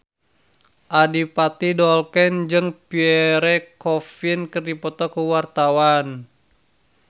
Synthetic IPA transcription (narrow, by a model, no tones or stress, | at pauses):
ʔadipat̪idɔlkɛnd͡ʒɨŋpiɛɾɛkɔfinkərdipɔt̪ɔkuwart̪awan